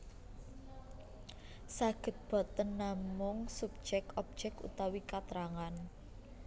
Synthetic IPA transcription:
saɡ̥ə̤t̪̚b̥ɔ̤t̪ənːamʊŋsup̚d͡ʒɛk̚ɔp̚d̥ʒ̥ɛkṵt̪awikat̪ɾaŋan

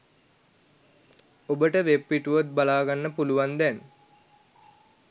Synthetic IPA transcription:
obəʈəʋepːiʈuʋot̪̚balaːɡanːəpuluʋand̪ɛn

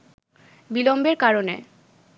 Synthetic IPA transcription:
bilombeɾkaɾonḛ

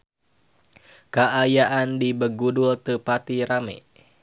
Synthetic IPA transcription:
kaʔajaʔandibəɡudult̪əpat̪iɾamɛ̰

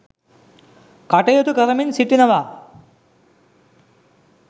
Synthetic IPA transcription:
kɐʈɐjot̪uɡɐɾɐminsiʈːinɐʋaː

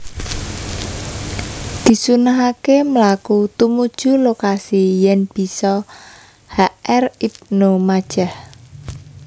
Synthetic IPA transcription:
d̪̥i̤sunaɦakeməlakut̪umud̥ʒ̥ṳlokasijɛnb̥i̤sɔ | haɛrip̚nomad̥ʒ̥a̤h

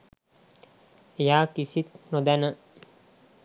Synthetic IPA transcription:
ejaːkisit̪̚nod̪ænə

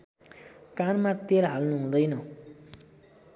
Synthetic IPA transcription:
kanmat̪eɾɦalnuɦũd̪ʌjnʌ

